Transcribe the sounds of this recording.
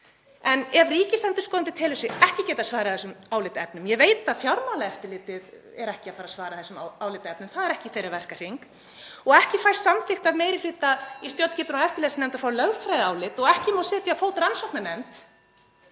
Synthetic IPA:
ɛnɛvriːcɪsɛnt̪ʏɾ̥skɔːðant̪ɪ̥t̪ʰɪːlʏsɪɛhcɪcɛːt̪asvaːɾɪaθɛsʏmaːwlɪt̪ɛp̚nʏmjɛveːjt̪aðfjawɾmawlaɛft̪ɪlɪːt̪ɪð | ɛɾɛhcɪaðfaːɾasvaːɾaθɛsːʏmaaːwlɪt̪ɛpnʏmθaðɛɾɛhcɪθejɾavɛr̥kar̥iŋk | ɔɣɛhcɪfajst̪samθɪxt̪aðmeːjɾɪfɾiːt̪aist̪jowt̪sciːpʏnaɛft̪ɪlɛːsnɛmnt̪afawlœɣfɾajðaːwlɪt̪ɔɣɛhcɪmawsɛːt̪jafoːwt̪ransɔhk̪nanɛmt̪

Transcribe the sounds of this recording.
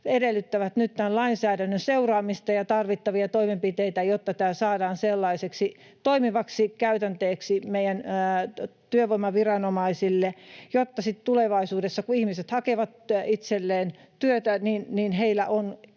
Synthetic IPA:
edelːyt̪ːæʋæt̪nyt̪t̪ænlɑinsæːdænːønseurɑːmist̪ɑjɑt̪ɑrʋit̪ːɑʋiɑt̪oimempit̪eit̪æjot̪ːɑt̪æːsɑːdɑːnselːɑiseksi | t̪oimiʋɑksikæyt̪ænt̪eːksimeijæn | t̪yøʋoimɑʋirɑnomɑisilːejot̪ːɑsit̪t̪uleʋɑisuːdesːɑkuihmiset̪hɑkeʋɑt̪it̪selːeːn | t̪yøt̪æninninheilˑæ̰ʔon

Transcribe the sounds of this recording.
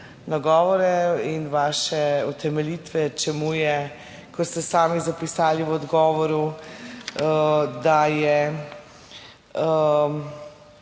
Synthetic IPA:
naɡɔːʋɔɾɛinʋaːʃɛut̪ɛmɛliːt̪ʋɛt͡ʃɛmujɛ | kɔst̪ɛsaːmizapisaːliwɔd̪ɡɔːʋɔɾu | d̪ajɛ

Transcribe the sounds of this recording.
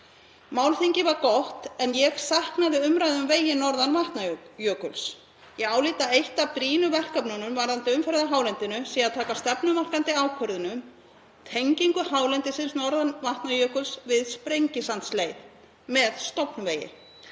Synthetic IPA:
maːwlθiɲcɪvaɾkɔht̪ɛnjɛɣsahknaðɪʏmɾajðʏmveːjɪnɔɾðanvaht̪najœːkʏls | jɛɣaːwliːt̪aejht̪apɾiːnʏvɛr̥kapnɔnʏmvaɾðant̪ɪʏmfɛɾðaɦaːwlɛnt̪ɪnʏsiːaðt̪ʰaːkast̪ɛpnʏmar̥kant̪ɪaːwkʰœɾðʏnʏm | t̪ʰejɲciŋkʏhaːwlɛnt̪ɪsɪnsnɔɾðanvaht̪najœːkʏlsvɪðspɾejɲcɪsant̪sleːjð | mɛðst̪ɔpnʏveːjɪ̰

